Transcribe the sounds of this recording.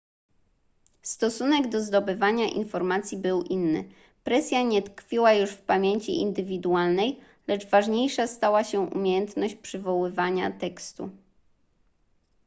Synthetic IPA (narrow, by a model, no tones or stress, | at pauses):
st̪ɔsunɛɡd̪ɔzd̪ɔbɘvaɲaʔḭnfɔɾmat̪sʲjibɘwʔinːɘ̰ | pɾɛsʲjaɲɛt̪kfʲiwajuʂfpamʲjeɲt͡ɕḭʔḭnd̪ɘvʲid̪ualnɛj | lɛd͡ʐvaʐɲejʂast̪awaɕɛʔṵmʲejɛnt̪nɔɕt͡ɕpʂɘvɔwɘvaɲat̪ɛkst̪ṵ